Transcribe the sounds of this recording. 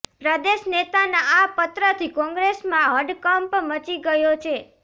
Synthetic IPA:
pɾəd̪eʃnet̪anaapət̪ɾət̪ʰikɔ̃ŋɡɾesmãɦəɖkəmpmət͡ʃiɡəjot͡ʃʰe

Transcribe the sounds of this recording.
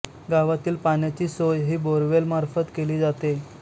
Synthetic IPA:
ɡaʋat̪iːlpanjat͡ɕiːsojɦiːboɾʋelmaɾfət̪keliːd͡zat̪e

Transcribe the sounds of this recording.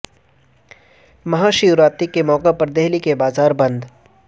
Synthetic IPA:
mɐɦaːʃiʊɾaːt̪ikːemɔːkapɐɾd̪eɦlikebaːzaːɾbɐ̃nd̪

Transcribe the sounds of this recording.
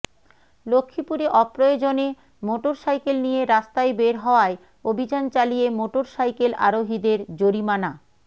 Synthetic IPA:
lokʰːipuɾeʔɔpɾojod͡ʑone | moʈoɾsajkelnijeɾast̪ajbeɾɦɔoae | obʱid͡ʑant͡ɕalijemoʈoɾsajkela̰ɾoɦid̪eɾd͡ʑoɾimana

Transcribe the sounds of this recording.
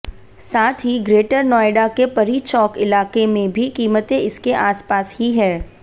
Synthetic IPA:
saːt̪ʰɦiɡɾeːʈəɾnɔːeɖakepɐɾit͡ʃɔːkɪlaːkemẽbʱikiːmət̪ẽɪskeʔaːspaːshiɦɛː

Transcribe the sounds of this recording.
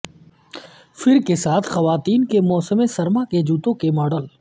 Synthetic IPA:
fɪɾkesaːt̪ʰxɐʋaːt̪iːnkemɔːsəmesɐɾmaked͡ʒuːt̪õkemɔːɖəl

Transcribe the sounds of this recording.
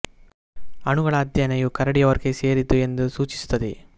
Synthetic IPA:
ɐɳuɡɐɭɐːd̪jɐnɐjukɐɾɐɽijɐʋɐɾkese̞ːɾit̪ue̞nd̪usuːt͡ʃi̥su̥t̪ːɐd̪i

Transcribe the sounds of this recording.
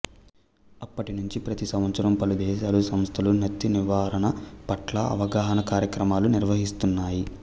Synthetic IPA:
ɐpːɐʈinuɲt͡ʃipɾɐt̪isɐmʋɐt̪sɐɾɐmpɐlud̪ɛːʃaːlusɐmst̪ʰɐlunɐt̪ːiniʋaːɾɐɳɐpɐʈlɐɐ̰ʋɐɡaːɦɐnɐkaːɾjɐkɾɐmaːluniɾʋɐɦist̪unːaːji

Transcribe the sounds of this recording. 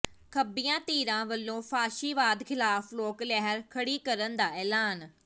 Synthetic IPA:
kʰɐbijãt̪iːɾãʋɐlːõfaːʃiʋaːd̪xʰɪlaːfloːklɛɦəɾkʰɐɽikɐɾənd̪aːɛːlaːn

